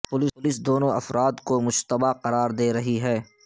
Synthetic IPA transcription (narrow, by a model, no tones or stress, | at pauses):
pʊlɪʊlɪsd̪oːnõʔɐ̰fɾaːd̪komʊʃt̪əbaqɐɾaːɾd̪eːɾɐɦiɦɛː